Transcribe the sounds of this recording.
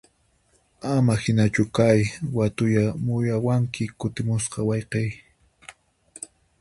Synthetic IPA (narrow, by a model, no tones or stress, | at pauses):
amahɪnat͡ʃʊkajwat̪ʊjamʊjawaŋkɪkʊt̪ɪmʊsqɑwɑjqej